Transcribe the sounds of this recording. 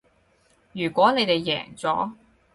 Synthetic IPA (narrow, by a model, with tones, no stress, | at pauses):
jyː˨˩kʷɔː˨˥ne˨˧jt̪e˨jːɛ̰ː˨˩ŋt͡sɔ̰ː˨˥